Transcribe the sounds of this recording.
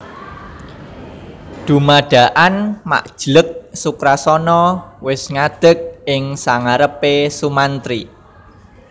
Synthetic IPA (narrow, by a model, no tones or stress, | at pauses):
d̪̥ṳmaɖ̥ä̤ʔanma̰ʔd̥ʒ̥lək̚sukɾasɔnɔwɪsŋad̪̥ə̤k̚ɪŋsaŋaɾəpesumant̪ɾi